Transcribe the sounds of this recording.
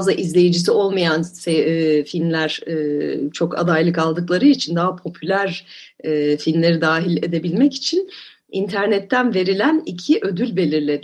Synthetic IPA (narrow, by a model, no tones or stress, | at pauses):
zˠaʔizlʲe̞jid͡ʒis̬io̞lˠmajansefilʲmlʲæɾ̥ː | t͡ʃʰo̞ka̰d̪ajlˠɯkalˠd̪ɯklˠaɾɯit͡ʃʰind̪aɦapʰo̞pʰylʲæɾɛːfilʲmlʲe̞ɾid̪aːɦilʲe̞d̪e̞bilʲmɛci̥t͡ʃʰin | int̪ʰæɾnɛt̪ʰːænve̞ɾilʲænicʰiʔø̞d̪ylʲbe̞lʲiɾlʲe̞d̪